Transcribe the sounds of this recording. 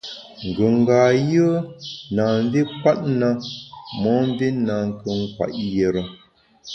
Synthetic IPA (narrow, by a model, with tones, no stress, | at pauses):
ŋ̩˨ɡə˨ŋ̩˨ɡaː˨jə˦na˨n˦vi˦pa˦t̚na˦mɔ˨˦m˦vi˦na˨ŋ˨kə˨ŋ̩˦kwa̰˨ʔje˨ɾə˨